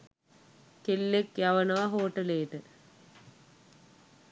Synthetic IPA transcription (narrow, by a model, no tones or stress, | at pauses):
kelːekjɐʋɐnɐʋɐɦoːʈːɐleːʈːɨ